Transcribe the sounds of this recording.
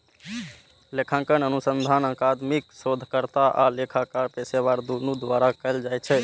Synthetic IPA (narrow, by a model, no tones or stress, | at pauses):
lekʰãŋkənənusənd̪ʱanəkad̪miksod̪ʱkəɾt̪aʔa̰lekʰakaɾpeseβaɾd̪unud̪ʋaɾakəɪld͡ʒajt͡ʃʰɛ